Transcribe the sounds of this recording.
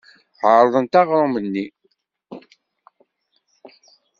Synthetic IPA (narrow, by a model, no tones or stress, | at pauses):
ʕəɾˤðˤənt̪ɑʁɾˤomənːi